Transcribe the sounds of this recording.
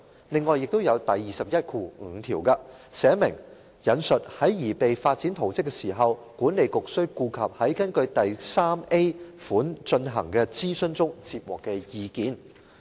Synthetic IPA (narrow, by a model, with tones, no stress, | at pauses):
lɪ˨ŋːɔː˨jɪ˨k̚t̪o˥wjɐ˨˧wt̪ɐ˨jːiː˨sɐ˨p̚jɐ˥t̚kʰuː˧ŋ̩ː˨˧t̪ʰiː˨˩wkaː˧sɛː˨˥mɪ̰˨˩ŋ | jɐ˨˧nsɵ˨t̚hɐ˨˥jjiː˨˩pe˨jfaː˧t̚t͡si˨˥nt̪ʰo˨wt͡sɪ˥kːɛ˧siː˨˩ɦɐ˨w | kuː˨˥nle˨˧jkʊ˨k̚sɵ˥ɥkuː˧kʰɐ˨p̚hɐ˨˥jkɐ˥nkɵ˧ɥt̪ɐ˨jsaː˥me˥fuː˨˥nt͡ʃɵ˧nɦɐ̰˨˩ŋkɛː˧t͡siː˥sɵ˥nt͡sʊ˥ŋt͡siː˧p̚wɔː˨˩kːɛː˧jiː˨˧kiː˨˥n